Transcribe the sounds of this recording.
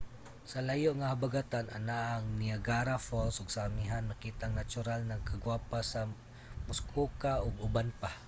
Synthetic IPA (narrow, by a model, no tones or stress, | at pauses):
salajʊʔŋahabaɡat̪ana̰naːŋniaɡaɾafolsʊɡsamiɦanmakit̪aŋnat͡ʃʊɾalnaŋkʰaɡwapasa | mʊskʰukaʊɡʊbanpah